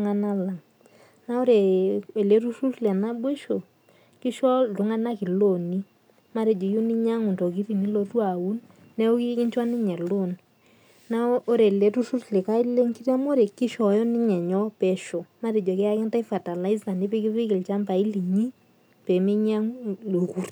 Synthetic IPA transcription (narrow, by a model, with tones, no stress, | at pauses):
ŋa˦na˦la˨ŋ | na˦o˦ɾe˨e˨le˨˦tu˦ʃu˦tlɛ˨na˦ɓwe˦ʃo˨ | kɪ˦ʃɔ˦˨ʊ˨ŋa˦na˦kɪ˨lo˦˨ni˦ | ma˦ɾe˨d͡ʒo˨jo˦ni˦ɲa˦ŋu˨ntɔ˨k̬i˦ɾi˨ni˦lo˨tu˦a˨u˦nː | ɛ˦o˦ki˦kɪ˦ɲt͡ʃwa˦nɪ˦ɲɛ˨lo˦˨n | na˦o˦ɾe˨le˨tu˦ʃu˦tle˨ka˦i˦le˦ŋki˦tɛ˦mo˦ɾe˨ki˦ʃɔ˨˦jɔ˦nɪ˦ɲɛ˨ɲɔ˦pɛ˨ʃɔ˨ma˦ɾe˨d͡ʒɔ˨kɛ˦a˦kɛ˦nta˦fa˨ta˨la˦i˦za˨ni˦pe˦ki˦pɪ˦kɪ˨lt͡ʃa˦mba˨i˦li˨ɲi˦ | pɛ˨me˦ɲa˦ŋlo˨ku˦r